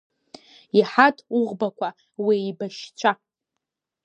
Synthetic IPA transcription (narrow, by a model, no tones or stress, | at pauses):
iħatʰʼuʁbakʷa | wiibaʃt͡ɕʷʰa